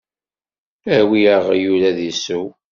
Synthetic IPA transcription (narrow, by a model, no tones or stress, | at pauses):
æwijəʁjulæðisu